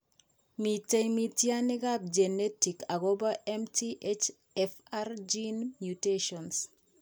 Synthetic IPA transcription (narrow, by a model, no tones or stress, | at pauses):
mitejmitjaniɡap̚d͡ʒenetikaɡɔbaʔɛmtʰiʔet͡ʃ | ɛfard͡ʒinmjuteʃɔns